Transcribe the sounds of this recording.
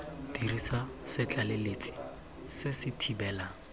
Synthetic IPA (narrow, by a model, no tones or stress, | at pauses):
d̥irisasɪt͡ɬʼalelet͡sʼi̥ | sɪsɪtʰibɛːla